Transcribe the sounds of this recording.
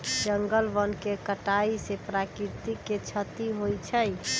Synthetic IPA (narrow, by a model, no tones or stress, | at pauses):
d͡ʒəŋɡəlbənkekəʈaisepɾakiɾt̪ikːet͡ʃʰət̪iɦojt͡ʃʰəj